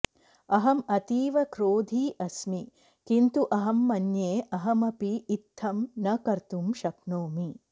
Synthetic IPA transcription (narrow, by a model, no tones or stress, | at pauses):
ɐɦɐmɐt̪iːʋɐkɾoːd̪ʱiːʔɐsmi | kint̪uʔɐɦɐmːɐnjeːʔɐɦɐmɐpiːt̪ʰːɐmnɐkɐɾt̪umʃɐpnoːmi